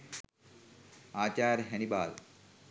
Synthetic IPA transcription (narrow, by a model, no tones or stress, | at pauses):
aːt͡ɕaːɾɦɛnibaːl